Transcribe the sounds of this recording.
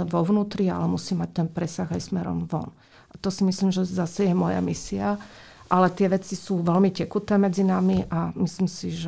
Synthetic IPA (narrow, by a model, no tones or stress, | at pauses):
ɛnʋɔʋnuːt̪ɾia̰lɛmusiːmac̚t̪ɛnpɾɛsaɣajsmɛɾɔ̰mʋɔ̰n | ʔat̪ɔsimisliːmʒɛzasɛjɛmɔja̰misia | ʔalɛt̪ɪɛʋɛt͡sisuːʋɛlmicɛkut̪ɛːmɛd͡zinamiʔamislimsiʒɛ